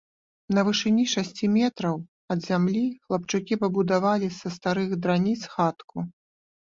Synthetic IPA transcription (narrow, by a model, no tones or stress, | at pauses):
nɐvɨʂɨnʲiʂasʲt͡sʲimʲɛt̪ɾɐw | ɐd̪zʲamlʲixlˠɐp̚t͡ʂukʲipɐbud̪avalʲisɐst̪aɾɨxd̪ɾanʲit̪sxat̪ku